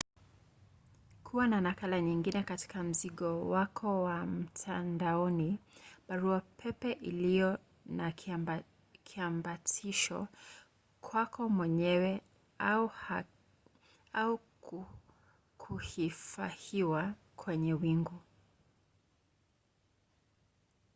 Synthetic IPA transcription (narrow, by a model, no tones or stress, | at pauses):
kʰuwananakalaɲiŋɡinɛkati̥kam̩ziɠɔwakʰɔwam̩tʰandaɔniɓaɾuapʰɛpɛʔilijɔ | na | kʰiambatʰiʃɔ̰ | kʰwakʰɔmwɛɲɛwɛ | aua | au | kʰuhifahiwa | kʰwɛɲɛwiŋɡu